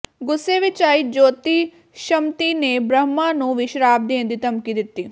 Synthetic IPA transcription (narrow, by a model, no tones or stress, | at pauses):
ɡʊsːeːʋɪt͡ʃaːiːd͡ʒoːt̪iː | ʃəmt̪iːneːbɾəmãːnũːʋɪʃɾaːb̚d̪iə̃nd̪iːt̪əmkiːd̪ɪt̪ːiː